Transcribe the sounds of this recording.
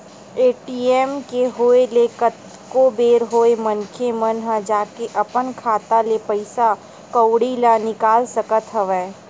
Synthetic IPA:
eːʈiɛːmkeɦoːelekət̪ | kobeːɾɦoːemənkʰemənɦãd͡ʒaːkeʔɐpənkʰaːt̪alepəɪsa | kəwɽilanɪkaːlsəkət̪ɦɐʋɛː

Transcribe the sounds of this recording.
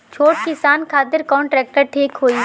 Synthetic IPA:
t͡ʃʰoːʈ̚kɪsaːnkʰaːt̪ɪɾkɔːnʈɾɛːk̚ʈəɾʈʰiːkɦoːi

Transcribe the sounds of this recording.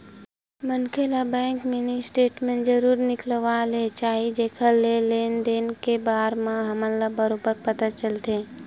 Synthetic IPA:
mənkʰelabɛ̃ːŋkmɪnisʈeːʈmẽd͡ʒəɾuːɾnɪkləʋaːlet͡ʃaːɦid͡ʒekʰəlːeleːnd̪eːnkebaːɾmãɦɐməllabəɾobəɾpət̪at͡ʃəlt̪eː

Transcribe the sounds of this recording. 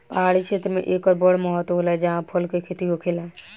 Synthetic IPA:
paaːɽikʃeːt̪ɾəmḛ̃ʔeːkɔɾbɔːɽmɔɦɔt̪ɦoːlaɛd͡ʒɐɦãpʰʊlkekʰet̪iɦokʰɪlɛː

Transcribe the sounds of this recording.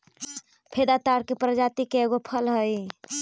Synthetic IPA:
pʰed̪at̪aɾkepɾəd͡ʒat̪ikeeɡopʰəlɦəj

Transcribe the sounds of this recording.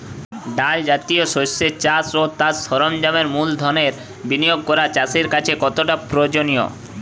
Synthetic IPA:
ɖald͡ʑat̪ioʃoseɾt͡ɕasot̪asʃɔɾomd͡ʑameɾmuld̪ʱɔneɾ | binioɡ̚kɔɾat͡ɕaseɾkat͡ɕʰekɔt̪oʈapɾod͡ʑonijo̰

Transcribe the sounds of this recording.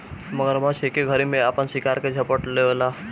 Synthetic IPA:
məɡəɾmãt͡ʃʰekeɡʱəɾimẽapənsikaɾked͡ʒʱəpəʈleʋla

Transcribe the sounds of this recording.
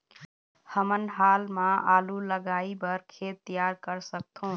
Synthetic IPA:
həmənɦalmãaluləɡaibəɾkʰet̪ːijaɾkəɾsək̚t̪ʰũ

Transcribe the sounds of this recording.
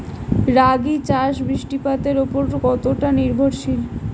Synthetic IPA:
ɾaɡit͡ɕaʃbɾiʃʈipat̪eɾopoɾkɔt̪oʈaniɾbʱoɾʃil

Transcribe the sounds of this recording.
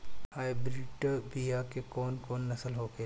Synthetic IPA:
aːɪbɾiʈbijakekɔːnkɔːnːɐsəlɦoːke

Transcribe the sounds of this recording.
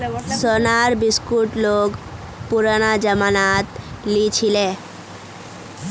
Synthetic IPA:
sɔnaɾbiskuʈloɡ | puɾañad͡ʑəmanat̪ | lit͡ɕʰile

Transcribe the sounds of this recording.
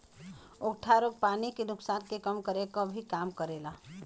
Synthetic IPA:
okʈʰaɾoːɡ̚paːnikenʊksaːnkekəmkəɾekobʱikaːmkəɾeːlaː

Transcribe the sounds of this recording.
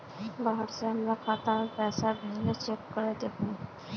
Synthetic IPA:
baɦəʈseɦəmɾakʰaːt̪amẽpɛːsabʱeɦlet͡ʃekːəɾed̪ekũ

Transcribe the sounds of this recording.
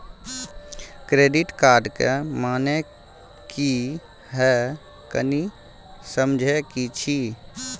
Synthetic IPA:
kɾeːɖiʈkaːɾɖkemaːne | ki | ɦɛ | kəni | səmd͡ʒʱɛkit͡ʃʰi

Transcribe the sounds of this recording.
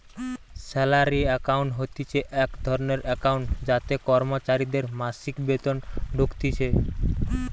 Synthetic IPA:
sɛlaɾiɛkauɳʈɦot̪it͡ʃʰeʔekd̪ʱɔɾneɾɛkauɳʈd͡ʒat̪ekɔɾmot͡ʃaɾid̪eɾmasikbet̪ɔnɖʱukt̪it͡ʃʰe

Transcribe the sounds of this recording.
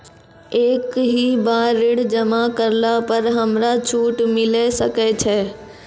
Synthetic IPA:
eːkɦibaːɾɪɽd͡ʒəmakəɾlapəɾɦəmɾat͡ʃʰuːʈmɪlesəkɛt͡ʃʰɛː

